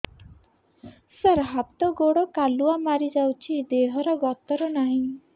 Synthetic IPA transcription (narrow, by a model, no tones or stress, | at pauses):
səɾɦat̪ɔɡoɽɔkaluamaɾid͡ʒawt͡ʃʰid̪eɦɔɾɔɡɔt̪ɔɾɔnaɦĩ